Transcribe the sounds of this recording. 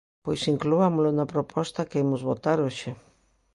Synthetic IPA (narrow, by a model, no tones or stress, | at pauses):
pojsiŋkluamolonapɾopʰɔst̪akeemʊzβot̪aɾoʃe